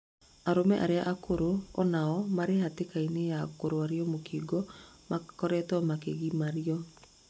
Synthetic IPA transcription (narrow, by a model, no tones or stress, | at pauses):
aɾomɛʔaɾeaʔakoɾoɔnaɔmaɾehatekainejakoɾoaɾiɔmokiːɡɔ | makɔɾɛtɔmakeɣimaɾiɔ